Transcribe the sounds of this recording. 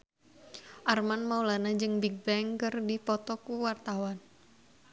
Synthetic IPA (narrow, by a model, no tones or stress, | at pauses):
ʔarmanmaulanad͡ʒɨŋbiɡ̚bɛŋkɨrdipɔt̪ɔkuwart̪awan